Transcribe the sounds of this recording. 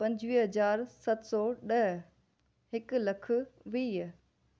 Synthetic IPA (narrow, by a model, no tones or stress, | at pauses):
pɐ̃ɲd͡ʑʋiːɦɐzaːɾsɐt̪sɔːɗɐɦ | ɦɪkʊlɐkʰʊ̆ʋiː